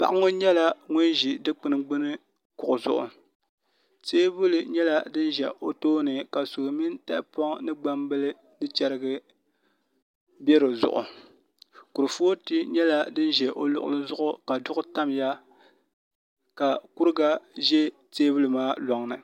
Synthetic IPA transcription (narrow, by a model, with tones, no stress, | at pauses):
pa̰˦ʔa˦ŋo˦ɲɛ˦la˦ŋʊ˦nʒi˨dɨ˦k͡pɨ˨nɨ˨ɡ͡bɨ˦nɨ˦ | kʊ˨ʔʊ˨zʊ̰˨ʔʊ̰˨ | teː˦bu˦lɨ˨ɲɛ˦la˦dɨ˦n˦ʒɛ˨ʔo˨toː˦nɨ˨ka˨su˨ɾmi˦nta˦ʔpɔ˦ŋnɨ˦ɡ͡ba˦mbɨ˦lɨ˦ | nɨ˦t͡ʃɛ˦ɾɨ˦ɡɨ˦ | bɛ˦ɾɨ˨zʊ̰˨ʔʊ̰˨ | ku˨ɾɨ˨foː˦tɨ˦ɲɛ˦la˦dɨ˦n˦ʒɛ˨ʔo˨lʊ̰˦˨ʔʊ̰˦lɨ˦zʊ˦ʔʊ˦ka˨dʊ˦ʔʊ˦ta˦mja˦ | ka˨ku˦ɾɨ˦ɡa˦ʒɛ˦ | teː˦bu˦lɨ˨maː˦lɔ˨ŋnɨ˨